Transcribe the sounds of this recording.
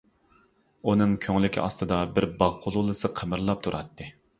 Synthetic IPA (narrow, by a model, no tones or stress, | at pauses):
unɨŋkʲʰøŋlɪkʲʰiʔɑ̰st̪ɨd̪ɑbɪɾbɑʁqʰʊlˠulˠɨsɨqʰəmɨɾlˠɑp̚t̪ʰuɾʔɑt̪ʰːɨ